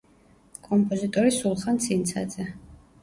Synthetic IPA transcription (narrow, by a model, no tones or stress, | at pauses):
kʼɔmpʼɔzit̪ʼɔɾisulˠχant̪sʰint̪sʰa̰d̪zɛ